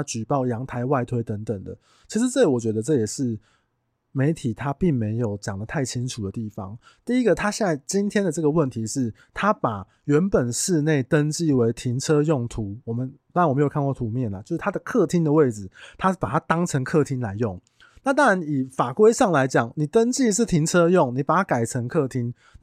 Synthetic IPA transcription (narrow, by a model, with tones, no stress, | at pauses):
t͡ɕy˨˩pɑ˥˩ʊjɑ˧˥ŋt̪ʰa˧˥ɪwa˥˧ɪt̪ʰwe˧˥ɪt̪ə˧˦˥ŋt̪ə˨˩ŋd̪ə̰˩ | t͡ɕʰi˧˥ʂ̬̩˧t͡sɤ˥˧li˨˩wɔ˨˩t͡ɕɥɛ˧˥d̪ə˧ʈ͡ʂɤ˥˩jɛ˨˩ʂɻ̩˥˩ | me˧˥ɪt̪ʰi˨˩t̪ʰa˦pi˥˩ŋme˧˥ɪjo˨˩ʊt͡ɕjɑ˨˩ŋd̪ə˦t̪ʰa˥˩ɪt͡ɕʰi˦˥nʈ͡ʂʰu˨˩d̪ə˩˦t̪i˥˩fɑ̰˨˦ŋ | t̪i˥˩i˦˥ɡə˨t̪ʰa˥ɕjɛ˥˧nza˥˩ɪt͡ɕi˦nt̪ʰjɛ˥nd̪ə˨ʈ͡ʂɤ˥˩ɡə˩wə˥˩nt̪ʰi˧˦ʂɻ̩˥˩ | t̪ʰa˦pa˨˩ | ɥɛ˨˧˥npə˨˩nʂɻ̩˥˧ne˥˩ɪt̪ə˦˥nt͡ɕi˥˩we˧˥ɪt̪ʰi˧˥ŋt͡sʰɤ˥˦jɔ˥˩ŋt̪ʰu˨˥wɔ˨˩mə˦nt̪ɑ˥ŋɻnwm˧˦jkʰkwt̪ʰu˧˦mjɛ˥˨˩nlt͡ɕjo˥˧ʊʂɻ̩ʰ˥˩a˥d̪ə˨kʰɤ˥˩t̪ʰi˥nd̪ə˨we˥˩ɪd͡zɻ̩˨˩t̪ʰa˦˥ʂ̩˥˩pa˨˩a˥t̪ɑ˥ŋt͡sʰə˧˥ŋkʰɤ˥˧t̪ʰi˦nla˧˥ɪjo˥˩ŋ | na˥˩t̪ɑ˥ŋɻa˧˦ni˨˩fa˨˩kwe˥ɪʂɑ˥˩ŋla˧˦ɪt͡ɕjɑ˨˩˦ŋni˨˩t̪ə˦˥nt͡ɕi˥˧ʂ̬ɻ̩˥˩t̪ʰi˧˥nt͡sʰɤ˦˥jɔ˥˨˩ŋni˨˩pa˨˩t̪ʰa˥ka˨˩ɪʈ͡ʂʰə˧˥ŋkʰɤ˥˧t̪ʰi˥n